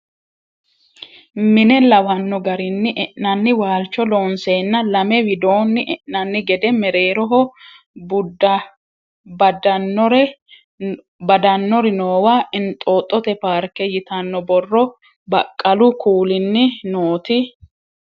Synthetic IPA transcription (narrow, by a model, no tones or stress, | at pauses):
mɪnɛlɐwɐnːɔɡɐɾɪnːɪʔɛʔɐnːɪwaːlt͡ʃːɔloːnseːnːɐlɐmɛwɪd̪oːnːɪʔɛʔnɐnːɪɡɛd̪ɛmɛɾe̞ːɾɔɦɔ | bʊdɐ | bɐd̪ɐnːɔɾɛ | bɐd̪ɐnːɔɾɪnoːwaːʔɪnt̪ʼoːt̪ʼːɔt̪ɛpaːɾkɛjɪt̪ɐnːɔbɔrːɔ | bɐkʼːɐlʊkuːlɪnːɪnoːt̪ɪ